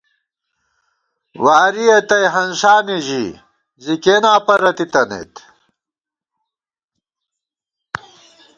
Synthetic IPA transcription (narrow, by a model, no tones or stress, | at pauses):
waːɾijɐt̪ɐjɦɐnʂaːneʑḭ | zikeːnaːpɐɾɐt̪it̪ɐnḛt̪